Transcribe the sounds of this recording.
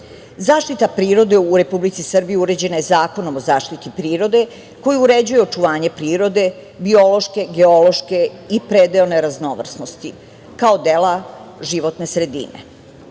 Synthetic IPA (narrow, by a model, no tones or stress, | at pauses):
zaːʃt̪it̪apɾiːɾo̞d̪e̞uɾe̞publit̪sisr̩bijiuɾe̞d͡ʑe̞naje̞zaːko̞no̞mozaːʃt̪it̪ipɾiːɾo̞d̪e̞ | ko̞jiuɾe̞d͡ʑujeo̞t͡ʃuʋaːɲe̞pɾiːɾo̞d̪e̞ | biolo̞ʃke̞ɡeo̞lo̞ʃke̞ipɾed̪eone̞ɾazno̞ʋr̩sno̞st̪i | kaod̪elaʒiʋo̞t̪ne̞sɾe̞d̪ḭne̞̰